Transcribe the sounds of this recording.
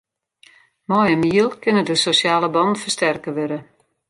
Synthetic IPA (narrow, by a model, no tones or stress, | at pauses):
mɔjənmiəlˠkɪnədəsosaːləbɔnfərstɛrkəʋøɾə